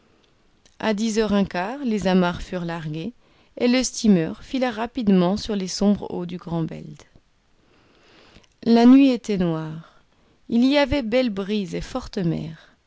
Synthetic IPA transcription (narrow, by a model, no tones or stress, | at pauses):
ʔa̰d̪izœʁɛ̃kaːʁlezamaʁfyʁlaʁɡʲe | eləst̪imœʁfilaʁapid̪mɑ̃syʁlesɔ̃bʁo̰d̪yɡʁɑ̃bɛ̰ld̪ | lanɥiet̪ɛnwaːʁ | iliavɛbɛlbʁizefɔʁt̪əmɛ̰ːʁ